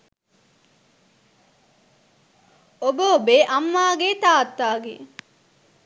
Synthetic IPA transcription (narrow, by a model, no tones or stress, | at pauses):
obəobeːʔɐmːaːɡeːt̪aːt̪ːaːɡḛ